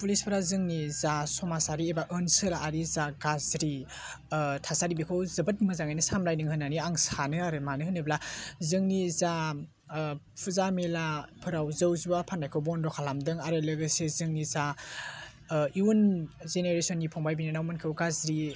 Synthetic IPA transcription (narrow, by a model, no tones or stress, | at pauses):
pulispʰɯɾazɯŋnizasɔmasaɾiebaʔɯnsɯɾaːɾizaɡazɾi | tʰasaɾibikʰowzɯbɐt̚mɯzaŋajnɯsamɾajnɯŋhɯnːaniaŋsanɯaɾɯmanɯɦɯnɯblazɯŋniza | pʰuzamelapʰɯɾawzɯwzubapʰanːajkʰɯwbɔndɔkʰalamdɯŋaɾɯlɯɡɯsezɯŋniza | iunzeneɾesɔnɡipʰɔŋbajbinɯnawmɯnkʰɯwɡazɾi